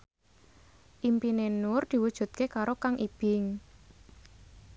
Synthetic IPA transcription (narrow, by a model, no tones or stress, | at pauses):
ʔimpinenʊrd̪̥i̤wud̥ʒ̥ṳt̪̚kekaɾokaŋʔib̥ɪŋ